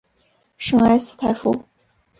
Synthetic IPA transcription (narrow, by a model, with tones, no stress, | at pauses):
ʂɤ˥ŋa˥ɪs̩˧t̪ʰa˧˥ɪfu˥